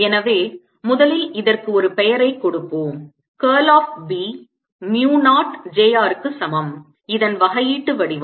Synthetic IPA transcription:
ɛnɐʋeː | mʊðɐlɪlɪðɐrkɯɔɾɯpɛjɐɾɐɪkːɔɽɯpːoːm | keːlaːf̚biː | njuːnaːʈd͡ʒeːjaːɾkːɯsɐmɐm | ɪðɐnʋɐɣɐjiːʈːɯʋɐɽɪʋ

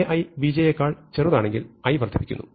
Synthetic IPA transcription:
eʔɐjbid͡ʑejekːaːɭt͡ɕeruðaːɳeŋɡilɐjʋɐrd̪ʰʱipi̥kʲːunːṵ

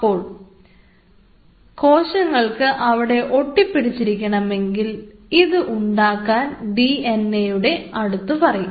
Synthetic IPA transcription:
oːɭ | ko̞ːɕɐŋːɐɭkɨʔɐʋiɽe̞ʔo̞ʈːipːiɽit͡ɕːiɾikʲːɐɳɐme̞ŋɡiliðɨʔuɳɖaːkːaːnɖienejuɽe̞ɐɽut̪ːupɐrɐju

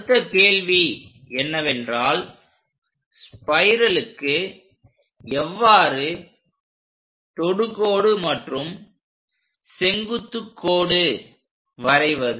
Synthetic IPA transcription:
t̪ːɐkeːlʋi | ɛnːɐʋɛndraːl | spɐɪɾɐlɯkːɯ | ɛʋːaːɾɯ | t̪ɔɽɯkoːɽɯmɐʈrɯm | sɛŋɡɯt̪ːɯkːoːɽɯ | ʋɐɾɐɪʋɐðɯ

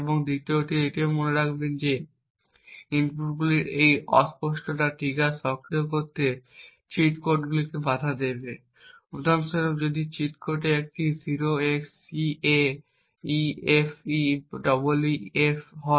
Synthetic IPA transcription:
eboŋd̪it̪ioʈieʈiomoneɾakʰbend͡ʑe | inpɾuʈɡuliɾejɔ̰spoʃʈoʈaʈikasɔkɾeok̬oɾt̪e | t͡ɕiʈkoɾʈɡulikebad̪ʱad̪ebe | ud̪amseɾokd͡ʑod̪it͡ɕiʈkoɾʈeek̚ʈiziɾoeks | ie | iefiɖɔboluefɦɔ

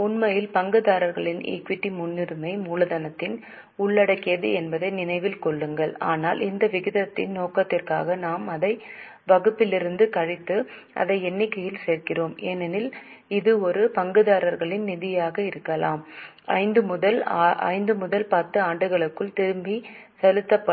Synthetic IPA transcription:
ʊnmɐjɪlpɐŋɡɯðaːɾɐɾɣɐɭɪnḛːkʋɪʈːimʊnːɪɾɯmɐɪmuːlɐðɐnɐt̪ːɪn | ʊɭːɐɽɐkːɪjɐðɯ̰ɛnbɐðɐɪnɪnɐɪʋɪlkɔɭːɯŋɡɐɭa̰ːnaːlɪnd̪ɐʋɪɣɪðɐt̪ːɪ̰nnoːkɐt̪ːɪrkaːɣɐnaːmɐðɐɪ | bɐɣɯpːɪlɪɾɯnd̪ɯkɐɻɪt̪ːɯ | ʔɐ̰ðɐɪɛnːɪkːɐjɪlseːɾkɪroːmeːnɛnɪl | ɪðɯɔɾɯpɐŋɡɯðaːɾɐɾɣɐɭɪnnɪðɪjaːɣɐɪɾɯkːɐla̰ːm | ɐ̰ɪnd̪ɯmʊðɐlʔɐ̰ɪnd̪ɯmʊðɐlpɐt̪ːɯaːɳɖɯɣɐɭɯkːɯɭt̪ɪɾɯmbisɐlɯt̪ːɐpːɐ

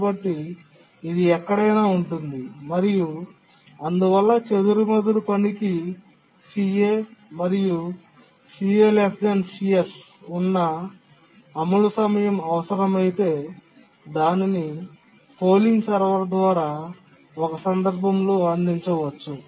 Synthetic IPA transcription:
bɐʈːiː | d̪iɛkːɐɽɐjnaːuɳʈund̪imɐɾiju | ɐnd̪uʋɐlːɐt͡ʃed̪uɾumɐd̪ulupɐniki | siːeːmɐɾiju | siːelesd͡ʒɐnsies | unːɐː | mulusɐmɐjɐmɐʋɐsɐɾɐmɐjit̪e̞ː | d̪aːnini | po̞ːliŋɡsɐɾʋɐɾd̪ʋaːɾaː | ɔkɐsɐnd̪ɐɾbʱɐmloːɐnd̪iɲt͡ʃɐʋɐt͡ʃːu

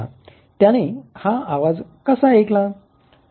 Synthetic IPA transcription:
a̰ | t̪jãɽ̃ehaaʋad͡zkəsaekla

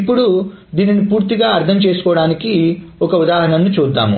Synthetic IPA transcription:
ipːuɽu | d̪iːninipuːɾt̪iɡaːɐɾt̪ʰɐmt͡ʃe̞ːsu̥kɔːʋɐɽaːnikiɔkɐud̪aːɦɐɳɐnːut͡ʃuːd̪ːa̰ːmṵ

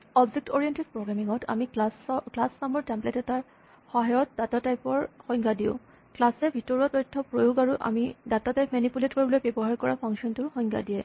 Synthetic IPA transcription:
ɔbzek̚tɔɹijentispɹoɡɹamiŋɔtʰa̰misklasnamɔɹtɛmpletɛtaɹ | xɔɦajɔt̚d̥atatajpɔɹxɔŋɡʰadiʊ̰̃ | klasɛbʱitɔɹɔtɔjtʰːɔpɹojoɡaɹuʔa̰midatatajpmɛnipuletkoɹibɔlojbebɔɦaɹkɔɹapʰɔŋsiɔntʊɹxɔŋɡʰa̰dijɛ

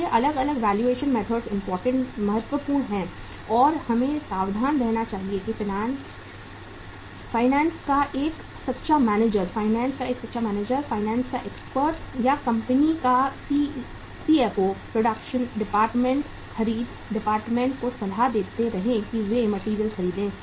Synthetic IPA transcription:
jeʔɐləɡɐləɡʋɛːljueːʃənmɛːt̪ʰəɖsɪ̃mpɔːɾʈə̃ɳʈmɐɦət̪wəpuːɾɽnɦɛ̃ | ɔːɾhɐmẽsaːʋd̪ʱaːnd̪eːnat͡ʃaːɦiekifɪnaːn | faːɪnɛ̃ːnskaʔeːk | sɐt̪ːʃamɛːneːd͡ʒəɾfaːɪnɛ̃ːnskaeːksɐt̪ːʃʰamɛːneːd͡ʒəɾfaːɪnɛ̃ːnskaʔeːkspəɾʈjakɐ̃mpənikasi | sieːfoːpɾoːɖəkʃənɖɪpaːɾʈmẽɳʈ | xɐɾiːd̪ | ɖɪpaːɾʈmẽɳʈkosɐlʱad̪eːt̪eɾɐɦẽkiʋemɐʈiːɾijəlxɐɾiːd̪ẽː

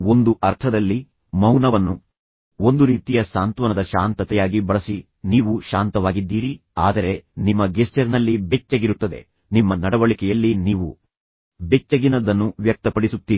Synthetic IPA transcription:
o̞nd̪uʔɐɾt̪ʰɐd̪ɐlːi | mɐwnɐʋɐnːu | o̞nd̪uɾiːt̪ijɐsaːnt̪ʋɐnɐd̪ɐʃaːnt̪ɐt̪ɛjaːɡibɐɭɐsi | niːʋuʃaːnt̪ɐʋaːɡid̪ːiːɾi | aːd̪ɐɾe̞nimːɐɡest͡ʃɐɾnɐlːibet͡ʃːɐɡiɾut̪ːɐd̪e̞̰ | nimːɐnɐɽɐʋɐɭikɛjɐlːiniːʋu | bet͡ʃːɐɡinɐd̪ɐnːuʋjɐk̚t̪ɐpɐɽisut̪ːiːi

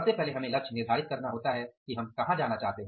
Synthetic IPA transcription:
ɐbsepɛɦleɦɐmẽlɐkt͡ʃʰnɪɾd̪ʱaːɾɪt̪̚kɐɾnaɦoːt̪aɦɛkiɦɐmkɐɦãd͡ʒaːnat͡ʃaːɦt̪eɦɛ̃

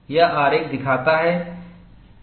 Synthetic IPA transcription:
jaaːɾeːk̚d̪ɪkʰaːt̪aɦɛ

